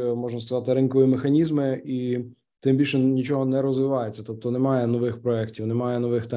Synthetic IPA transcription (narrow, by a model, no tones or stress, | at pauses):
mɔʒnɐskɐzɑt̪ɪɾɪnkɔʋjimexɐnʲizmɪi | t̪ɪmbʲilʲʃɛnʲit͡ʃɔɦɔnɛɾɔzʋɪʋɑjʊt͡sʲːɐ̥t̪ɔp̚t̪ɔnemɑjɛnɔʋɪxpɾɔɛktʲiwnemɑjɛnɔʋɪxt̪ɛ